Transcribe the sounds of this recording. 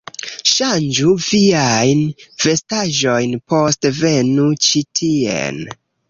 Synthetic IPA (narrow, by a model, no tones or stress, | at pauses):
ʃand͡ʒuviajnfe̞staʒo̞jnpo̞stve̞nut͡ʃitʰiḛn